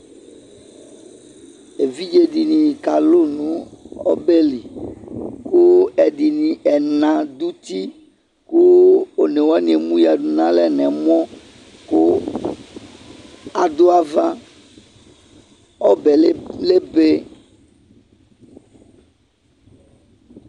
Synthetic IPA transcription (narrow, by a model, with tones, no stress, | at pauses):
e˨vi˦d͡ʒe˦di˨nĩ˨ka˨lo˦nũ˦ɔ̰˦be˦li˨ | ku˦ɛ˨d̪i˨nĩ˨ɛ˨nã˨d̪u˦t̪i˦ | ku˦o˨nɛ˨wa˦nĩ˨e˨mũ˦ja˨ɖu˨nã˦lɛ˦nɛ̃˨mɔ̃˦ | ku˦ | a˨d̪o˦a˨vã˦ | ɔ˦bɛ˨˦le˦be˦